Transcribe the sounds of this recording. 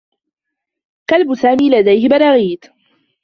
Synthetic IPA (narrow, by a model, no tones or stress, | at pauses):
kalbʊsaːmiːlad̪ajhɪbɑɾˤɑːɣiːt̪